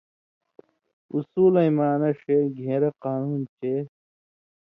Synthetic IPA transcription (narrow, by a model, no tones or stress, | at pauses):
usuːlɐimaːnɐʂeːɡʱeːɾɐqaːnuːnt͡ɕeː